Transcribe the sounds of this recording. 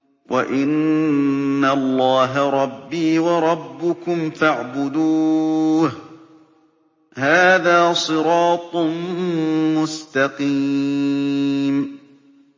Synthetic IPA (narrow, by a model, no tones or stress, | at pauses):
wʔa̰ʔɪnː | alˤːɑːɦaɾˤɑbːiːwɑɾˤɑbːʊkʊmfaʕbʊd̪uːh | haːðaːsˤɨɾɑːt̪ˤ | mʊst̪ɑqiː | m